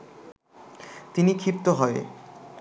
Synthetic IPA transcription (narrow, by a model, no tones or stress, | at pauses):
t̪inikʰipt̪oɦɔe